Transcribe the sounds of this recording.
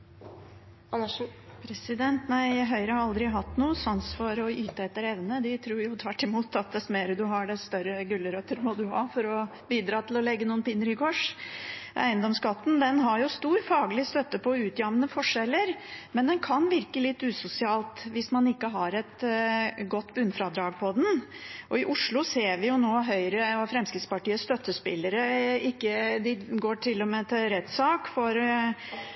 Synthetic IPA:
n | pʰɾɛsɪd̪ɛnt̪næɪæɦœʏɾəhɑɾɑld̪ɾɪɦɑt̪ːnuːəsɔnsfɔɾɔyːt̪əɛt̪ːəɾɛʋnəd̪ɪt̪ʰɾuːɾjʊt̪ʰʋæʈːɪmuːt̪ʰɑt̪̚d̪ɛst̪meːɾəd̪ʉɦɑɖɛst̪œɾəɡʉlːəɾœt̪ːəɾmɔd̪ʉɦɑːfɔɾɔ | biːd̪ɾɑːt̪ʰɪlɔlɛɡːənuːənpɪnːəɾɪkʰɔʂ | ʔæ̰ɪənd̪ɔmskɑt̪ːn̩d̪ɛnɦɑɾjʊst̪uːɾfɑːɡlɪst̪œt̪ːəpʰɔʉːt̪jɑmnəfɔʂɛlːəɾmɛnd̪ɛnkʰɑnʋɪɾkəlɪt̪ːʉːsʊsɪɑːlt̪ʋɪsmɑnɪkːəɦɑɾɛt̪ | ɡɔt̪ːbʉnfɾɑd̪ɾɑːɡ̚pʰɔd̪ɛnʔɔɪʔʊʂlʊseːɾʋɪjʊnoːɦœʏɾəɔfɾɛmskɾɪt̪spɑʈiːəst̪œt̪ːəspɪ̰lːəɾəɪkːəd̪ɪɡoːʈʰɪlːɔmet̪ʰɪɾɛt̪ːsɑːkfɔɾ

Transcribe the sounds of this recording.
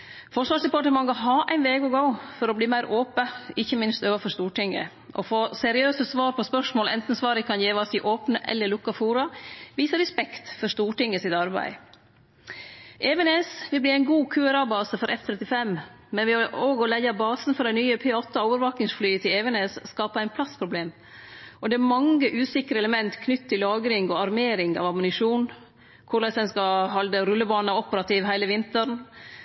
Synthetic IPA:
fɔʂʋɑːʂd̪ɛpɑʈəmɑŋɡɔɦɑːʔæɪnʋeːɡɔɡoʊfɔɾɔbliːmæɪɾʔoːpəɪçːəmɪnst̪øːʋɑfɔʂt̪uːʈɪŋə̰ | ʔɔ̰foːsɛɾɪøːsəsʋɑːɾpʰɔspœʂmoːlʔɛ̰nt̪n̩sʋɑːɾɪkʰɑnjeːʋɔsɪʔoːpnəʔɛ̰lːəɭʊkːɑfuːɾɑʋiːsəɾɛspɛkt̪fɔɾʂt̪uːʈɪŋːəsɪt̪ɑɾbæ̰ɪ | ʔeːʋɛneːsʋɪlbliːæɪnɡuːkʰʉːəɾɑːbɑːsəfɔɾʔɛft̪ʰɾɛt̪ɪfɛm | mɛnʋɪoːɡɔlɛɡɑbɑːsnfɔɾɖ̪æɪnyːəpʰeːɔt̪ːəoːʋəɾʋɑːk̪ɪŋsflyːət̪ʰɪlɛʋɛneːsskɑːpɑæɪnpʰlɑspʰɾʊbleːm | ʔɔd̪ɛæɾmɑŋəʔʉːsɪkɾəɛləmɛnt̪kʰnʏt̪ːt̪ʰːɪlːɑːɡɾɪŋɔɑɾmeːɾɪŋɑ̰ːʋɑmʊnɪʂuːn | kʰʊɭɛsɛnskɑhɑld̪əɾʉlːəbɑːnɑɔpəɾɑt̪ʰiːʋɦæɪləʋɪnt̪əɾɳ

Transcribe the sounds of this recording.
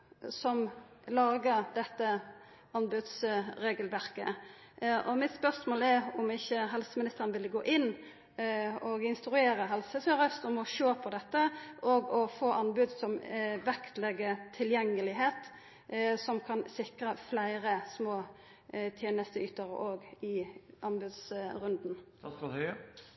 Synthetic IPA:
sɔmlɑːɡəʁd̪ɛt̪ːə | ɑnbʉd̪sɾeːɡəlʋæʁkə̰ | ʔɔmɪt̪spœʁsmoːlɛʁɔmɪçːəɦɛlsəmɪnɪst̪əʁənʋɪlːəɡoːʔɪnː | ɔɡɪnst̪ɾʉeːɾəɦɛlsəsœʁəst̪ɔmɔʃoːpʰɔd̪ɛt̪ːəʔɔːɡɔfoːʔɑnbʉd̪sɔmʋækt̪lɛɡət̪ʰɪljɛŋːəlɪɦeːt̪ | sɔmkʰɑnsɪkʁəflæɪɾəsmoː | t̪ʰjeːnəst̪əyt̪əʁə̰ʔoːɡɪʔɑnbʉd̪sɾʉnd̪n

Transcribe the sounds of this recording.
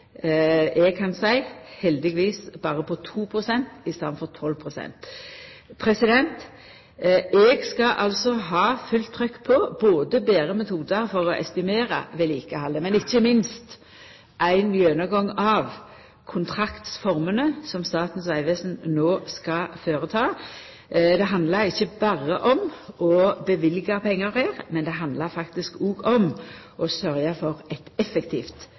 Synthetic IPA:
ʔɛɡ̚kʰɑnsæɪhɛld̪ɪɡʋiːsb̥ɑːɾəpʰɔt̪ʰuːpʰʁʊsɛnt̪ɪst̪ɑʋənfɔʁt̪ʰɔlpʰʁʊsɛ̰nt̪ | pʰɾɛsɪd̪ɛnt̪ | ɛːɡskɑʔɑlsɔɦɑːfʉlt̪ʰːɾʏkːpʰɔboːd̪əbeːɾəmɛt̪ʰuːd̪əɾfɔʁɔʔɛst̪ɪmeːɾə̰ʋɛliːkəhɑlːəmɛnɪçːəmɪnst̪ | ʔæɪnmjøːnəɡɔŋɑːʋ | kʰʊnt̪ʰɾɑkt̪sfɔɾmənəsɔmst̪ɑːt̪n̩sʋæɪʋeːsn̩noːskɑføːɾət̪ʰɑː | d̪ɛɦɑnd̪ləɾɪçːəbɑːʁəʔɔmɔbəʋɪlɡɑpʰɛŋːəɾhæːʁmɛnd̪ɛɦɑnd̪ləɾfɑkt̪ɪskuːɡɔm | ʔɔsœɾjɑfɔɾɛt̪ɛfəkt̪ʰiːft̪

